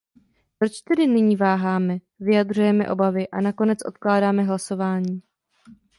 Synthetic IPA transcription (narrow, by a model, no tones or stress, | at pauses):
pɾo̞t͡ʃt̪ɛdɪnɪɲiːvaːɦaːmɛ | vɪjad̪r̝ujɛmɛ̰ʔo̞bavɪʔanako̞nɛt͡sʔo̞t̪̚klaːdaːmɛɦlaso̞vaːɲiː